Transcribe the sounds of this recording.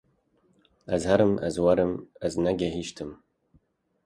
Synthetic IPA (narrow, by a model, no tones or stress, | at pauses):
azhaɾɨma̰zwaɾɨmaznaɡʲaɦiʃtʰɨm